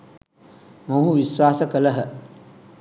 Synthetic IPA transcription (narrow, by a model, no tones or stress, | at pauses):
moɦuʋiswaːsəkələɦə